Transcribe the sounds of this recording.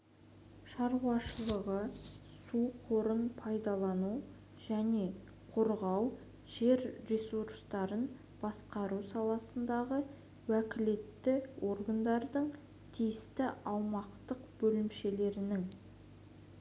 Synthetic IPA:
ʃɑɾuɑʃəlˠəʁəsuqʰoɾənpʰɑjd̪ɑlˠɑnu | ʒ̥æne̞ | qʰoɾʁɑw | ʒ̥e̞ɾːesuɾst̪ɑɾən | b̥ɑsqɑɾusɑlˠɑsənd̪ɑʁə | wækʲɪle̞t̪ːɪwʔo̞rɡand̪ɑɾd̪əɴ | t̪ʰijɪst̪ɪɑwmɑqt̪əqbɵlɪmʃe̞le̞ɾɪnɪŋ

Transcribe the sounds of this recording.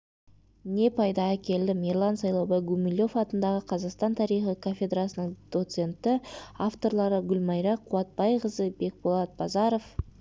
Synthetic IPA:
ne̞pʰɑjd̪ɑækʲe̞ld̪ɪmirlˠɑnsɑjlˠowbɑjɡumilʲːo̞fɑt̪ənd̪ɑʁəqʰɑzɑqst̪ɑnt̪ʰɑɾijχikʰofʲe̞d̪rasənəŋd̪̥o̞t̪se̞nt̪ɪaft̪o̞ɾlˠɑɾəɡʲʊlʲmɑjɾɑqʰuwɑt̪̚bɑjʁəzəbe̞k̚bolˠɑt̪̚bɑzɑɾo̞f

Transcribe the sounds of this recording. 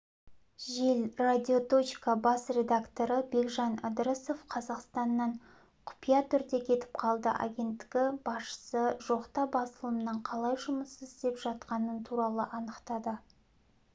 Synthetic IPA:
ʒelrad̪ʲio̞t̪o̞t͡ʃkɑbɑsrʲe̞d̪akt̪o̞ɾəbe̞kʒɑna̰d̪ɾəso̞fqʰɑzɑqst̪ɑnːɑɴ | qʰʊ̥pijɑt̪ʰʏɾd̪e̞kʲʰe̞t̪ɪ̥p̚qʰɑlˠd̪ə̰ʔa̰ɡʲe̞nt̪ːɪ̥ɡʲɪbɑsʃə̥səʒo̞qt̪ɑbɑsəlˠəmnəɴqʰɑlˠɑjʒʊməsəzɪst̪e̞pʒɑt̪qɑnənt̪ʰuɾɑlˠə̰ʔɑnəqt̪ɑd̪ə

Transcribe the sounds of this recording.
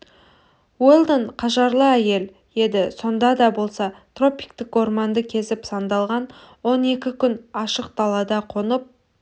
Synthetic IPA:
welˠd̪əɴqʰɑʒɑɾlˠəæje̞l | je̞d̪ɪso̞nd̪ɑd̪ɑbo̞lˠsɑt̪ro̞pijkt̪ɪko̞rmɑnd̪əkʲʰe̞sɪpsɑnd̪ɑlˠʁɑn | wo̞ne̞kʲɪkʲʰʏnɑʃəq̚d̪̥ɑlˠɑd̪ɑqʰonəp̚

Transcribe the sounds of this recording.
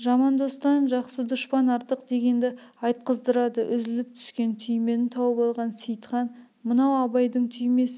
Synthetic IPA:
ʒɑmɑnd̪o̞st̪ɑnʒɑqsəd̪ʊʃpɑnɑɾt̪əqd̪e̞ɡʲe̞nd̪ɪ | ɑjt̪̚qəzd̪əɾɑd̪əʔʏzɪlɪp̚t̪ʰʏ̥skʲe̞nt̪ʰʏjme̞nɪt̪ʰɑwəpɑlˠʁɑnsijt̪χɑn | mənɑwɑbɑjd̪əɴt̪ʰʏjme̞s

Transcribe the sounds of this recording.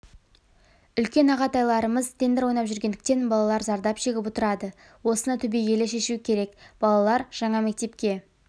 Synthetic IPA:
ʏlkʲe̞nɑʁɑt̪ɑjlˠɑɾəməzt̪ʰe̞nd̪ɪɾwo̞jnɑpʒʏɾɡʲe̞nd̪ɪk̚t̪e̞nbɑlˠɑlˠɑɾzɑɾd̪ɑpʒe̞ɡʲɪpot̪əɾɑd̪ə | wo̞sənɑt̪ʰʏbejɡʲe̞leʃe̞ʃuɪkʲʰe̞ɾe̞kb̥ɑlˠɑlˠɑɾʒ̥ɑɴɑmek̚t̪e̞pkʲe̞

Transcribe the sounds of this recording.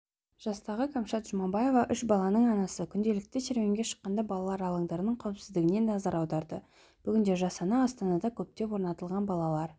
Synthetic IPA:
ʒ̥ɑst̪ɑʁəkʰamʃɑt̪ʒ̥ʊmɑbɑje̞vɑʔʏʃbɑlˠɑnəɴɑnɑsəkʲʰʏnd̪e̞lɪk̚t̪ɪʃe̞ɾme̞ŋɡʲe̞ʃə̥qːɑnd̪ɑbɑlˠɑlˠɑɾɑlˠəŋd̪ɑɾənəɴqʰɑwpsɪzd̪ɪɡʲɪne̞nɑzɑɾɑwd̪ɑɾd̪ə | b̥ʏɡʲɪnd̪e̞ʒɑsɑnɑːst̪ɑnɑd̪ɑkʲʰɵp̚t̪e̞pwo̞ɾnɑt̪əlˠʁɑnbɑlˠɑlˠɑɾ

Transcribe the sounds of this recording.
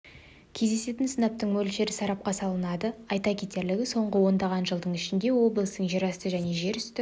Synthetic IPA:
kʲʰe̞zd̪e̞se̞t̪ɪnsənɑp̚t̪əɴmɵlʃe̞ɾɪsɑɾɑp̚qɑsɑlˠənɑd̪əɑjt̪ɑkʲet̪e̞ɾlɪɡʲɪso̞ɴʁəwo̞nd̪ɑʁɑnʒəlˠd̪əɴɪʃɪnd̪e̞wo̞blˠəst̪əɴʒiɾɑst̪əʒæne̞ʒe̞ɾʏst̪ɪ

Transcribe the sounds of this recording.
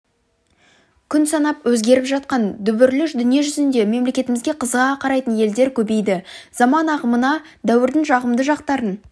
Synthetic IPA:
kʲʰʏnsɑnɑpwɵzɡʲe̞ɾɪpʒɑt̪̚qɑnd̪ʏbʏɾlʏʃd̪ʏnije̞ʒʏzɪnd̪e̞me̞mle̞kʲe̞t̪ɪmɪzɡʲe̞qʰəzəʁɑqʰɑɾɑjt̪ənje̞ld̪e̞ɾkʲʰɵbe̞jd̪ɪzɑmɑnɑʁəmənɑ | d̪æwɪɾd̪ɪŋʒɑʁəmd̪əʒɑq̚t̪ɑɾən

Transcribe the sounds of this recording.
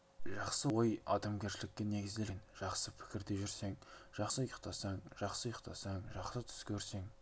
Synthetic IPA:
ʒɑqsəwojɑ̰d̪ɑmɡʲe̞ɾʃɪlɪk̚ʲːene̞ɡʲɪzd̪enʒ̥ɑqsəpʰɪ̥kʲɪɾd̪e̞ʒʏɾse̞ŋʒ̥ɑqsəjəqt̪ʰɑsɑŋʒɑqsəjəqt̪ʰɑsɑŋʒɑqsət̪ʰʏ̥skʲʰɵɾse̞ŋ

